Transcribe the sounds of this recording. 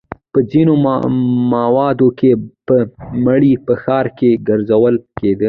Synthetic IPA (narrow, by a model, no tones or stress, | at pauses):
pəd͡zino | mawɑd̪okepəmaɽipəxɑɾkeɡəɾzawəlked̪ə